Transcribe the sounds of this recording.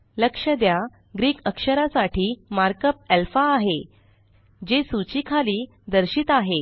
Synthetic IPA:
ləkʂəd̪ja | ɡɾiːkəkʂəɾasaʈʰiːmaɾkəp̚ɛlfaːɦe | d͡ʑesut͡ɕikʰaliː | d̪əɾɕiːt̪aɦe

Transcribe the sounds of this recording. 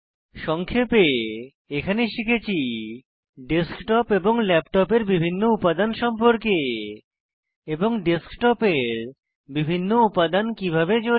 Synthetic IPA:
ʃɔŋkʰepe | ekʰaneʃikʰet͡ɕʰi | ɖeskʈɔpeboŋlɛpʈɔpeɾbibʱinːoupad̪anʃɔmpoɾke | eboŋɖeskʈɔpeɾ | bibʱinːoupad̪ankibʱabed͡ʑo

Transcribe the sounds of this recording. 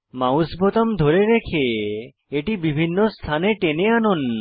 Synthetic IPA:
mawsbɔt̪ɔmd̪ʱoɾeɾekʰe | eʈibibʱinːost̪ʰaneʈeneanon

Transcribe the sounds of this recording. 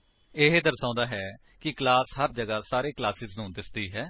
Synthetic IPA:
ɪɦed̪əɾsãːnd̪aːɦɛː | kɪklaːshəɾd͡ʒəɡaːsaːɾeːklaːsɪznũːd̪ɪsd̪iːɦɛː

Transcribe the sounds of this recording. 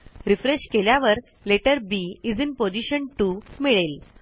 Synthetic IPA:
ɾifɾeɕkeljaʋəɾ | leʈəɾbiid͡zinpod͡ʑiɕənʈumiɭel

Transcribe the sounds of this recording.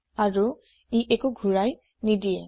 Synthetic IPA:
aɹu | iʔekuɡʱuɹaj | nidiɛ

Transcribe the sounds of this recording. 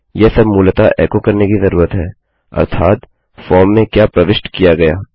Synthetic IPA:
jesɐbmuːlt̪aʔɛ̰ːkokɐɾnekizɐɾuːɾət̪ɦɛː | ɐ̰ɾt̪ʰaːt̪ | fɔːmːẽkjaːpɾɐʋɪʃʈkijaɡɐjaː

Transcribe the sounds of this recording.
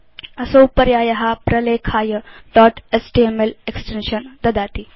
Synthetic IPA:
ɐsowpɐɾjaːjɐɦapɾɐleːkʰaːjəɖɔːʈesʈiemeleksʈenʃɐnd̪ɐd̪aːt̪i

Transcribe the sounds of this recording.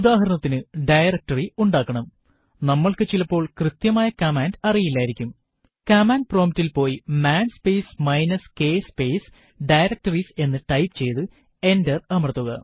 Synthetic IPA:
ud̪aːɦɐɾɐɳɐt̪ːinɨɖɐjrɐk̚ʈɐriuɳɖaːkːɐɳɐm | nɐmːɐɭkɨt͡ɕilɐpːo̞ːɭkrɨt̪jɐmaːjɐkɐmaːndɐrijilːaːjiɾikʲːum | kɐmaːndproːmitːilpo̞ːjimaːnspejsmɐjnɐske̞ːspe̞js | ɖɐjɾɐk̚tɐrise̞nːɨʈɐjpt͡ɕe̞jt̪ɨ | e̞ndɐrɐmɐrɐt̪ːuɣɐ

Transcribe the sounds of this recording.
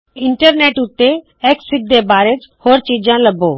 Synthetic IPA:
ɪɳʈəɾneːʈʊt̪ːe | eːksɪd̪ʱebaːɾed͡ʒhoːɾt͡ʃiːd͡ʒãləbʱoː

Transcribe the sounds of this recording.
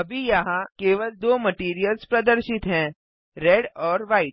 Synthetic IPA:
ɐbʱijɐɦãkeːʋəld̪oːmɐʈiːɾijəlspɾɐd̪əɾʃɪt̪ɦɛ̃ | ɾeɖɔːɾʋaːɪʈ

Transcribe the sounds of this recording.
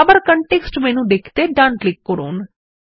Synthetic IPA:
bəɾkəɳʈeːksʈmɛːnũːɖekʰt̪eːɖãːɳʈlɪkːəɾo̰ːn

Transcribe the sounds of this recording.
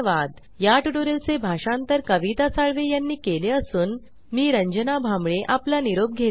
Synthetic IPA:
ʋad̪ | jaʈuʈoɾelt͡sebʱaʂant̪əɾkəʋit̪asaɭʋejanːiːkeleəsuːn | miːɾəɲd͡ʑənabʱamɭeʔaplaniɾob̚ɡʱe

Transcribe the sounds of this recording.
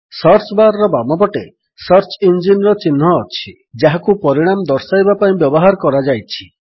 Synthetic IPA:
sɔɾt͡ʃbaɾɔɾɔbamɔbɔʈe | sɔɾt͡ʃɔind͡ʒinɾɔt͡ʃinɦɔːt͡ʃʰi | d͡ʒaɦakupɔɾiɽ̃amɔd̪ɔɾsajbapaĩbjɔbɔɦaɾɔkɔɾad͡ʒajt͡ʃʰi̥

